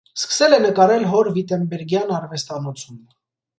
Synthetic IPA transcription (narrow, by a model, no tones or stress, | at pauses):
skə̥sɛlɛnəkɑɾɛlɦɔɾvit̪ɛmbɛɾɡjɑnɑrvɛst̪ɑnɔt͡sʰum